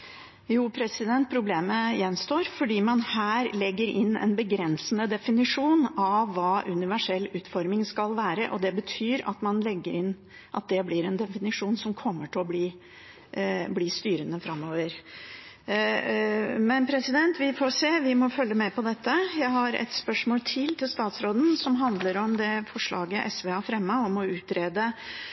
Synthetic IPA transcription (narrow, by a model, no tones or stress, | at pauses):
juːpʰɾɛsɪd̪ɛnt̪̚pʰɾʊbleːməjɛnst̪oːɾfɔɖiːmɑnhæːɾlɛɡːəɾɪnːɛ̰nbəɡɾɛnsnəd̪ɛfɪnɪʂuːnɑʋːɑːʔʉnɪʋæʂɛlːʉːt̪fɔɾmɪŋskɑlʋæːɾəʔɔd̪ɛbət̪ʰyːɾɑ̰t̪mɑnlɛɡːəɾɪnː | ʔɑt̪̚d̪ɛblɪɾɛnd̪ɛfɪnɪʂuːnsɔmkʰɔmːəʈɪɔbliː | bliːst̪yːɾənəfɾɑmːoːʋəɾ | mɛnpʰɾɛsɪd̪ɛnt̪ʰʋɪfoseːʋɪmɔfœlːəmɛpʰɔd̪ɛt̪ːəjæɪɦɑɾɛ̰t̪spœʂmoːlt̪ʰɪlt̪ʰɪlst̪ɑːt̪sɾoːd̪n̩sɔmɦɑnd̪ləɾɔmd̪ɛfɔʂɭɑ̰ːɡəʔɛsʋeːɑfɾɛmːəɔmɔʉːt̪ɾeːd̪ə